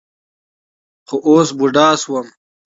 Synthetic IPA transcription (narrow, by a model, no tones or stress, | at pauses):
xoʔoːsbuɖaːswəm